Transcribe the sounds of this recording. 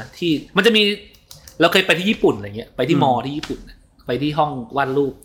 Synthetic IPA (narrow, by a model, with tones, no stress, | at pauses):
t̪ʰiː˥˩ma˧nt͡ɕa˨˩ʔmiː˧ | ɾa˧wkʰɤː˧jpa˧jt̪ʰiː˥˩˦iː˥˩pu˨˩na˨˧˨ŋi˦˥ɐpa˧jt̪ʰiː˥˩mɔː˧iː˥˩iː˥˩pu˨˩na˧˩ | pa˧jt̪ʰiː˥˩ɦɔ˥˩ŋwaː˥˩nɾuː˥˩p̚